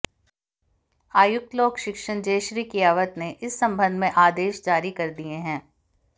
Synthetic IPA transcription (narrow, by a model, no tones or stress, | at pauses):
aːjʊk̚t̪loːkʃɪkʃənd͡ʒeːʃɾiːkijaːʋət̪neʔɪsːɐ̃mbʱə̃nd̪ʱmẽʔaːd̪eːʃd͡ʒaːɾikɐɾd̪ieɦɛ̃ː